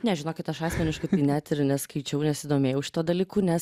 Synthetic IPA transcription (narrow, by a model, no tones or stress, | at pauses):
nʲɛʒʲɪnoːkʲɪt̪ɐʃɑːsʲmʲɛnʲɪʃkɐɪt̪ɐɪnʲæt̪ɪɾnʲɛskɐɪt͡ʃʲɛʊnʲɛsʲɪd̪oːmʲeːjɛʊʃʲɪ̥t̪uːd̪ɐlʲiːkuːnʲɛs